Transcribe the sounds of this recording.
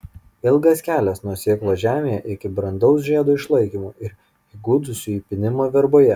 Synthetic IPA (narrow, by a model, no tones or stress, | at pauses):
ɪlˠɡɐskʲæːlʲɛsnuɔsʲeːklˠoːʒʲæːmʲeːjɛʔɪkʲɪbɾɐnd̪ɒʊs̬ʒʲiɛd̪oːɪʃlˠɐɪkʲiːmoːʔɪɾ | iːɡuːd̪ʊsʲʊiːpʲɪnʲɪmoːʋʲɛɾboːjɛ